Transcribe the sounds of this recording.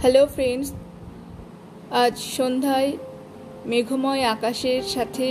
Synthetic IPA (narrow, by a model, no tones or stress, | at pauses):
helofɾeɳɖs | ad͡ʑɕond̪ʱaj | meɡʱomɔjakaɕeɾsat̪ʰe